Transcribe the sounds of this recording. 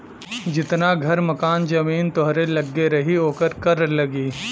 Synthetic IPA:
d͡ʒɪt̪naɡʱɐɾmɐkaːnd͡ʒɐmiːnt̪ɔɦɾelɐɡːeɾɐɦioːkəɾkɐɾlɐɡiː

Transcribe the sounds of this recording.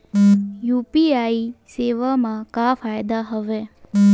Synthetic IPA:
jupiaiseʋamãkafajd̪aɦəʋe

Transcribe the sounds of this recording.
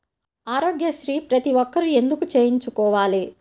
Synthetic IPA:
aːɾoːɡjɐʃɾiːpɾɐt̪iʋɔkːɐɾue̞nd̪ukut͡ʃeːjiɲt͡ʃukɔːʋaːli

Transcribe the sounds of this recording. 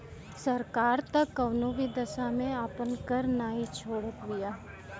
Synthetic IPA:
səɾkaːɾt̪əkːəʋnuʋid̪əsamẽaːpənkəɾnaːɦit͡ʃʰoːɽət̪ʋɪjaː

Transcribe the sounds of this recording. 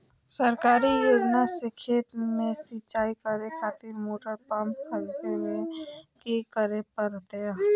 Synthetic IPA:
səɾkaːɾijoːd͡ʒnasɪkʰɪːt̪mẽsit͡ʃaːikəɾekʰaːt̪ɪɾmoːʈəɾpə̃mpkʰəlt̪emẽkekəɾepəɾot̪eaː

